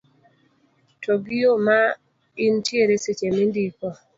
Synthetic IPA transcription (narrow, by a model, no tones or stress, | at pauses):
toɡɪjoma | ɪntjeɾeset͡ʃemindikɔ